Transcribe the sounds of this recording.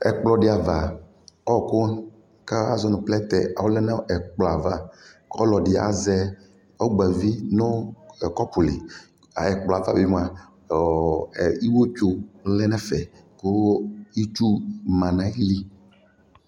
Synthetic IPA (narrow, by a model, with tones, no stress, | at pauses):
ɛ˨k͡plɔ˨ɖɪ˨˦a˨va˨ | ɔ˦˨ko˦ | ka˦a˦zɔ˦nʊ̃˨plɛ˦t̪ɛ̰˨a˨wo˦lɛ˦nɛ˦ɛ˨k͡plɔ˨a˨va˦kɔ˦lɔ˨dɪ˨a̰˨zɛ˦ | ɔ˦ɡ͡bɛ˨vi˦nʊ̃˦˨kɔ˦pu˨lḭ˨ | a˨ɛ˨k͡plɔ˨a˨va˦bi˨m˦ã˨ | i˦wo˦t͡ʃo˦lɛ˦nɛ̃˦fɛ˨ | ko˦i˦t͡ʃu˦mã˨nã˨i˦li˦